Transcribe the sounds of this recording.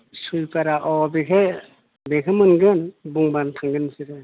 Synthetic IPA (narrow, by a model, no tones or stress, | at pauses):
sujpaɾaʔɔbekʰe | bekʰemɯnɡɯnbuŋbantʰaŋɡɯnsiɾɯ